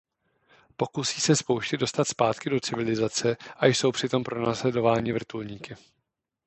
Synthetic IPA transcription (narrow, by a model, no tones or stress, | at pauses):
po̞kusiːsɛspo̞wʃcɪdo̞st̪at̪spaːt̪kɪdo̞t͡sɪvɪlɪzat͡sɛʔajso̞wpr̝̥ɪt̪o̞mpɾo̞naːslɛdo̞vaːɲɪvr̩t̪ulɲiːkɪ